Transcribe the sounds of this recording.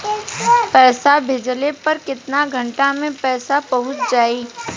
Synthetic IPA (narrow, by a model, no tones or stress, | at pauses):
pɛːsabʱɪd͡ʒlepɐɾkɪt̪naɡʱə̃ɳʈamẽpɛːsapɐɦʊt̪d͡ʒaːi